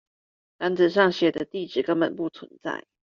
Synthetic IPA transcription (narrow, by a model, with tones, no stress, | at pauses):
t̪a˧˥nt͡sɹ̩˨ʂ̬ɑ˥˩ŋɕjɛ˨˩d̪ə˦t̪i˥˩ʈ͡ʂɻ̩˨˩kə˦ŋmə˨˩npu˥˩t͡sʰwə̰˧˦nt͡sa̰˥˩ɪ